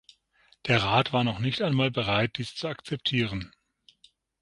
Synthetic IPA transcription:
d̥eːɐʁaːtv̥aːɐnɔχnɪçtaɪnmaːlbəʁaɪt̚d̥iːst͡suakt͡sɛp̚tʰiːʁ̞ən

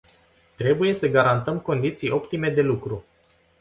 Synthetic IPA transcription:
t̪ɾe̞buje̞səɡaɾant̪əmko̞nd̪it̪sijo̞pt̪ime̞d̪e̞lukɾu

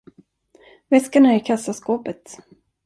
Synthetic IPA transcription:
vɛskaɳaɪɾkʰasːaskoːpət̪

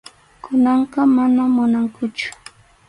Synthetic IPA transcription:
kʊnɑɴqɑmanamʊnaŋkʊt͡ʃʊ̥

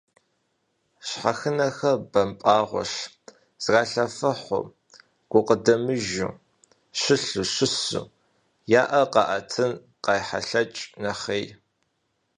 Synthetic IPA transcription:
ɕħaxɨnɐxɐbɐmpʼaːʁʷɔ̰ɕ | z̥ɣaːɬɐfɐħʷʊ̰ | ɡ̥ʷʊqədɐmɨʒṵ | ɕɪɬuɕɪsṵ | jaːʔɐqɑʔɐtʰɨn | qɑːjħa̰ɬɐt͡ʃʼnɐχej

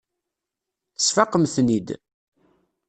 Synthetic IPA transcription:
θəsfɑqəmθnid̪

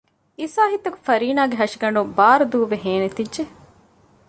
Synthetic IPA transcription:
isaːɦit̪ːɐku̥fɐɾiːnaːɡeɦɐʂiɡɐɳɖubaːɾɐd̪uːʋeɦeːnet̪idd͡ʒe

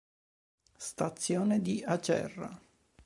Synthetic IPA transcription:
st̪at̪sːjoːned̪iat͡ʃɛ̰rːa̰

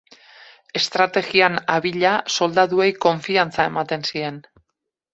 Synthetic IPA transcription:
e̞st̪ɾat̪e̞ɣianaβiʎaso̞ld̪aðue̞jko̞ɱfiant͡sae̞mat̪e̞nsie̞n

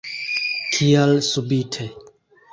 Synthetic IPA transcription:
kʰijalsubitʰe

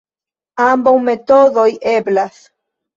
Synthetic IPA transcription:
ambawme̞to̞do̞jʔe̞blas

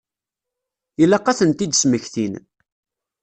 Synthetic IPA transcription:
ilæqːɑθənt̪id̪əsməçθin

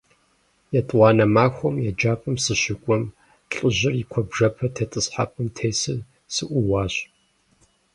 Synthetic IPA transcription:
jɛtʼwɑːnɐmaːxʷɔmjɛd͡ʒaːpʼɨmsɨɕɪkʷʼɔm | ɬʼɨʑɪrikʷʰɔbʐɐpʰɐtʰɐtʼɨsħa̰pʼɨmtʰeːsɨ | sɨʔʷʊwaːɕ

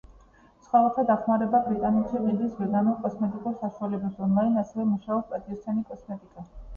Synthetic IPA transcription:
sχwalɔt̪ʰad̪aχmaɾɛbabɾit̪ʼanɛt̪ʃivind̪lisvɛɡanɔkʼɔsmɛt̪ʼikʼuɾsaʃualɛbasd̪ɔnlˠajnasɛvɛmuʃaɔpʼat̪ʼiɔst̪ʰanikʼɔsmɛt̪ʼikʼa

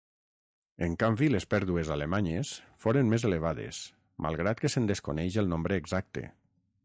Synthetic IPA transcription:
eŋkambilespɛɾðuezalemaɲesfoɾenmezeleβ̞aðḛs | mʔa̰lˠɣɾat̪̚kesend̪eskonɛjʒelˠnombɾeːɡzak̚t̪ḛ

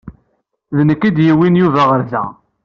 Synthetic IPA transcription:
ðnəkːid̪jiwinjuvæʁəɾðæ̰

